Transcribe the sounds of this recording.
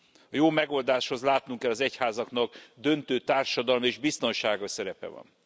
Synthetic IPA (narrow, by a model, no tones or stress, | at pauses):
ɒjoːmɛɡo̞ld̪aːʃho̞zlaːt̪nuŋkɛlːɒzɛchaːzɒkn̪ɒɡd̪ø̞nt̪øːt̪aːrʃɒd̪ɒlmeːʒbist̪o̞nʃaːɡɒsɛɾɛpɛ̰vɒ̰n